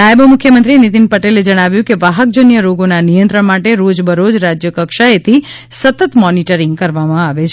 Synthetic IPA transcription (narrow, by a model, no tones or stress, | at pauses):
ajbəmukʰjəmənt̪ɾinit̪inpəʈeled͡ʒəɽ̃aʋjũkeʋaɦək̚d͡ʒonjəɾoɡonanijə̃nt̪ɾəɳmaʈeɾod͡ʒbəɾod͡ʒɾad͡ʒjəkəkʃaet̪ʰi | sət̪ət̪mɔniʈəɾiŋɡkəɾʋamãaʋet͡ʃʰ